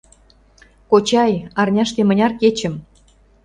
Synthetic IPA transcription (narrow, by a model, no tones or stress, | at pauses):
kot͡ɕɑjɑrnʲɑʃt̪emə̆nʲɑrket͡ɕə̆m